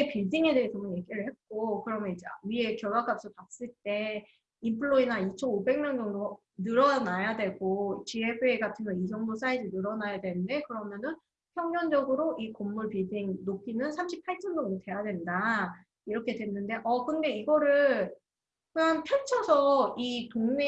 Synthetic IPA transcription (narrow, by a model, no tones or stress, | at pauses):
epiɭdiŋe̞deɦt͡ɕʌmonjeɡiɾɯɭhe̞t̚k͈okɯɾʌmjʌnid͡ʑea̰ɥie̞kjʌɭwak͈ap̚s͈opas͈ɯɭt͈e̞ | impʰɯɭoinait͡ɕʰʌnobe̞ŋmjʌnd͡ʑʌŋdo | nɯɾʌnajadwe̞ɡot͡ɕiebʰeɡatʰɯmjʌnid͡ʑʌŋdos͈ʰaidɯnɯɾʌnajadwe̞nɯnde̞kɯɾʌmjʌnɯn | pʰjʌŋʌnd͡ʑʌɡɯɾoʔikomːuɭpidiŋnokʰinɯnsʰamɕʰipʰaɭt͡ɕʰʌnd͡ʑʌŋdotwe̞jadwe̞nda | iɾʌkʰe̞dwe̞nːɯnde̞ʔʌkɯnde̞iɡʌɾɯɭ | kɯanpʰjʌt͡ɕʰʌsʰʌitoŋne